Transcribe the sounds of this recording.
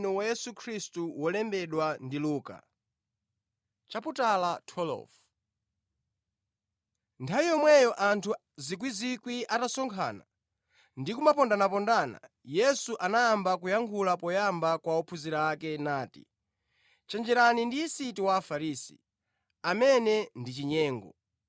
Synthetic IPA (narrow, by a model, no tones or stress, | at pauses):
nɔwajɛsukʰɾistuwɔlɛmbɛɗwandiluːka̰ | t͡ʃaputalatʰɔlɔ̰f | ntʰaijɔmwɛjɔʔantʰu | zik̬wizikwiʔatasɔŋkʰa̰ːna̰ | ndikumapɔndanapɔndana̰ | jɛsuʔanajambakujaŋkʰulapɔjambakwaɔpʰuziɾaːkɛnaːtḭ | t͡ʃɛnd͡ʒɛɾanindiːsitiwaːfaɾisḭ | amɛnɛndit͡ʃiɲɛːŋɡɔ̰